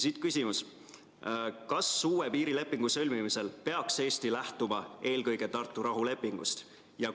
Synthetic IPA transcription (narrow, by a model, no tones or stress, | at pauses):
sit̪kysʲimus | kɑsːuːwepiːɾile̞pːˑiŋɡ̥usø̞lʲmimise̞lpe̞ɑkse̞ːst̪ilæht̪umɑe̞ːlkɤjɡ̥e̞t̪ɑrt̪ːˑuɾɑɦule̞pːˑiŋɡ̥ṵst̪ | jɑ